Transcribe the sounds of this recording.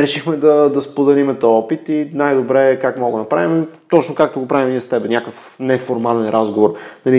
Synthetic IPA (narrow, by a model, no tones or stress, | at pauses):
ɾɛʃixmɛd̪ɐd̪ɐspod̪ɐlimɛt̪ɔɔpit̪inajd̪obɾɛkakmaoɡonɐpɾa̰vimɛ | t̪ɔt͡ʃnokak̚t̪oɡopɾavimniɛst̪ɛbɛnʲakəf | nɛfoɾmalɛnɾazɡovoɾnɐli